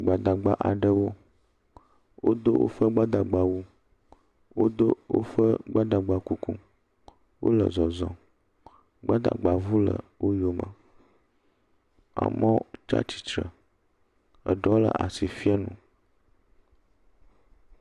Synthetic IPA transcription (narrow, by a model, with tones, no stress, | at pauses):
ɡ͡ba˨d̪a˨ɡ͡ba˨ʔa˨ɖə˦wo˦ | wo˦d̪o˦wʔo̰˦fə˦ɡ͡ba˦d̪a˨ɡ͡ba˨wu˦ | wo˦d̪o˦wo̰˦fə˦ɡ͡ba˦d̪a˨ɡ͡ba˨ku˦ku˦ | wʔo̰˦lə̰˨zɔ˨zɔ̰̃˨ | ɡ͡ba˦d̪a̰˨ɡ͡ba˨vu˦lə̰˨wo˦jo˦mə̰˨ | a̰˨mɔ̃˦t͡ʃa̰˦t͡ɕi̥˨t͡ʃɾə˨ | ə̰˨ɖɔ˨˦lə̰˨ʔa̰˨si˨fi˦a˦nṵ̃˨